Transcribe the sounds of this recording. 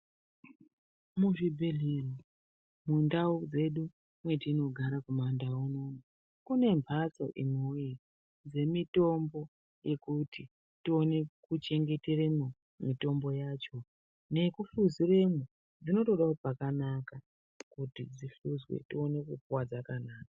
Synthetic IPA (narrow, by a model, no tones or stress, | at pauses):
muʐibʱeɮiro | mundaud͡ze̞ɗu | mwe̞tino̞ɡʱaɾakumandaunoːmo | kune̞mbʱaso̞̰ʔimoji | d͡ze̞mito̞mbo̞ | je̞kuti | tio̞ne̞kut͡ʃe̞ŋɡe̞te̞remo | mito̞mbo̞jaːt͡ʃo̞ | ne̞kufuzire̞mo | d͡zino̞to̞ɗaopakanaka | kutid͡ziɬuzwḛtio̞ne̞kupuwad͡zakanaːkḁ